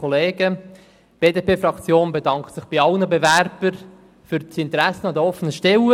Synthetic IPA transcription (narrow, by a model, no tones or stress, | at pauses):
ɔleːɡ̥ə | b̥eːdeːpeːfrɑkt͡sjoːnbedɑŋktsɪχb̥iɑlnəbeværb̥əɾ | fʏɾtsɪnt̪əɾæsːənɑd̪əɔfːənəʃtɛwə